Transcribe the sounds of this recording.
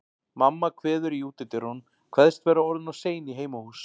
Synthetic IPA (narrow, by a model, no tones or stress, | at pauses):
mamːakʰvɛːðʏɾjuːt̪ɪt̪ɪɾɔn | kʰv̥ɛðst̪vɛːɾaɔɾðɪnawseːjɪniɦeːjmahuːs